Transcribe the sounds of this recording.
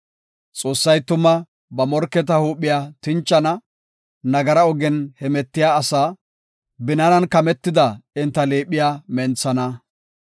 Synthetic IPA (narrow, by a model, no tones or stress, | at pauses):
t͡sʼo̞ːsːɐjt̪ʊmːɐ | bɐmɔɾkːɛt̪̬ɐhuːpːɪjaːt̪ɪnt͡ʃːɐnɐ | nɐɡɐɾɐɔɡɛnhɛmɛt̪ːɪjaːsaː | bɪnɐnɐnkɐmɛt̪ːɪd̪ɐɪnt̪ːɐleːpːɪjaːmɛnt͡sːɐnɐ